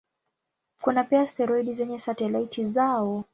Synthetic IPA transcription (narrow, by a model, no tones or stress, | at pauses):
kunapiastɛɾɔiɗizɛɲɛsatɛlaitʰizaɔ